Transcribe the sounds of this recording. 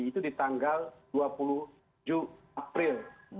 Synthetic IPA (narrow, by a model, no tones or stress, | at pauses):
t̪udit̪aŋɡalduapuluh | d͡ʒuapɾɪl